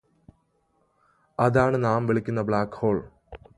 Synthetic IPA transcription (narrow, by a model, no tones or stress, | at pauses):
ɐðaːɳɨnaːmʋiɭikʲːunːɐbɭaːkːho̞ːɭ